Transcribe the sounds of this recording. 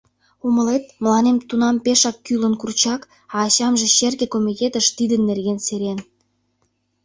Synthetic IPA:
uməlet̪̚məlɑnemt̪unɑmpeʃɑkːylənkurt͡ɕɑk | ɑːɕɑmʒĕɕerɣĕkomʲit̪ʲet̪ə̆ʃt̪id̪ənːerɣenseɾen

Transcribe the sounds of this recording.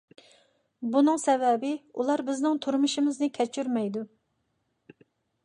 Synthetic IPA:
bunɨŋsɛvɛbɪulˠɑɾbɪznɪŋt̪ʰuɾmuʃimɪznɪkʲʰɛt͡ʃʰyɾmɛjd̪u

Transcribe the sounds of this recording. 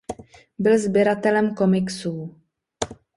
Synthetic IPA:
bɪlzbjɛɾat̪ɛlɛmko̞mɪksuː

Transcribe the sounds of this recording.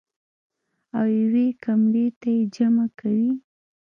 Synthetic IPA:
awjawekambet̪ajed͡ʒamakʰawi

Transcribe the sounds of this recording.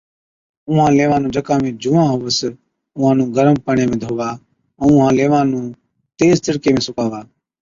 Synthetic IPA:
ʊɦãːleːʋãːnũːd͡ʒəkãːmẽːd͡ʒuːãːɦʊːʋəs | ʊːãːnũːɡʱəɾəmpəɳjeːmẽːd̪ʱoːʋãː | ʊɦãːleːʋãːnũː | t̪eːzt̪ɪɾkeːmẽːsʊkaːʋaː

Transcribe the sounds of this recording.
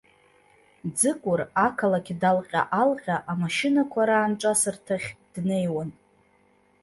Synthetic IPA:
d͡zɨkʷʼʊrakʰalakʲdalqʲʼa̰ʔalqʲaʔamaʃɪnakʷʰaɾaːnʈ͡ʂʷʼasɨrtʰaχʲd̥ne̞jwan

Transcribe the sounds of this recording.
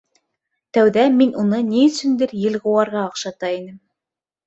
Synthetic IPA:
t̪æwðæminunɤniɵ̆sɵ̆nd̪ɘɾjɘ̆lʁŏwɑɾʁɑɑqʃɑt̪ɑinɘm

